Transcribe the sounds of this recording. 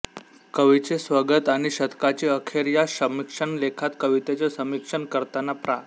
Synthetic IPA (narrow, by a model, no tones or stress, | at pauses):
kəʋit͡sesʋəɡət̪aɽ̃iɕət̪kat͡ɕiəkʰeɾjasəmikʂəɳlekʰat̪kəʋit̪et͡sasəmikʂəɳkəɾt̪anapɾa